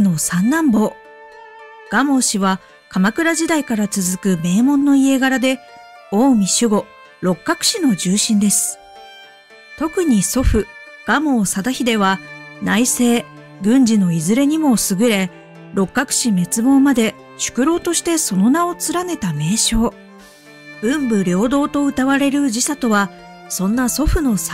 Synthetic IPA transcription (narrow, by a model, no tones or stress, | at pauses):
no̞sãnːãmbo̞ː | ɡ̥amo̞ːɕiβa | kamakɯ̟ɾaʑid̪aikaɾat͡sɨzɨkɯ̟me̞ːmõ̞nːo̞ie̞ɡaɾad̪e̞ | o̞ːmʲiɕɨɡo̞ | ɾo̞kːakɯ̟̥ɕino̞d͡ʑɨːɕĩnd̪e̞sɨ̥ | t̪o̞kɯ̟ɲ̟iso̞ɸɯ̟ | ɡ̥amo̞ːsad̪açid̪e̞β̞anaise̞ː | ɡɯ̟̃ɲ̟d͡ʑino̞izɨɾe̞ɲ̟imo̞sɨɡɯ̟ɾe̞ | ɾo̞kːakɯ̥ɕime̞t͡sɨmõ̞ːmad̪e̞ | ɕɨ̥kɯ̟ɾo̞ːt̪o̞ɕi̥t̪e̞so̞no̞nao̞t͡sɨɾane̞t̪ame̞ːɕo̞ː | ɯ̟̃mbɯ̟ɾʲjo̞ːd̪o̞ːt̪o̞ɯ̟t̪aβaɾe̞ɾɯ̟d͡ʑisat̪o̞βa | sõ̞nːaso̞ɸɯ̟no̞s